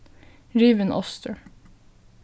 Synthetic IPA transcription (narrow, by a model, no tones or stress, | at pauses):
ɹiːʋənʔɔ̰st̪əɹ